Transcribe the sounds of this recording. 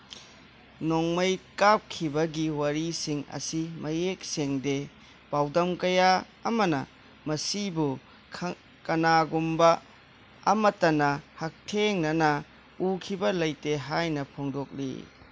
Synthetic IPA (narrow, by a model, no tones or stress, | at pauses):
noŋmɐjkap̚kʰibɐɡiwɐɾisiŋɐ̰simɐjek̚seŋde | pawdɐmkɐjaː | mɐnɐ̰ | mɐsibu | kɐnaɡumbɐː | mɐtɐnɐhak̚tʰeŋnɐnɐ | ukʰibɐlɐjteɦajnɐpʰoŋdok̚lḭ